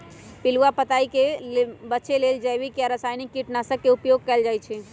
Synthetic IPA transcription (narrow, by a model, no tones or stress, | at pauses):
piluapət̪aikebətːʃeleld͡ʒəbikiaɾəsajnikːiʈnasə̃kːeupjoɡ̚kɛld͡ʒajt͡ʃʰɛ